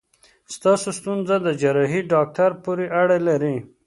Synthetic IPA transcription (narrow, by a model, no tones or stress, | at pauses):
st̪ɑːsost̪unzad̪əd͡ʒaɾɑɦiɖɑk̚ʈaɾpuɾiʔaɽelaɾi